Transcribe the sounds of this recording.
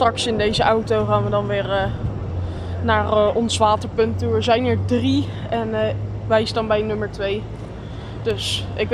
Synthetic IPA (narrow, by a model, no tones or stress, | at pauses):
trɑksɪndejzəʔawtowχaːnʋədɑnʋɪːrə | naːrɔnsʋaːtəɹpɵntuəɹzɛjnəɹdri | ɛnʋɛjsdɑnbɛjnɵməɹtʋej | d̥ɵsʔɪk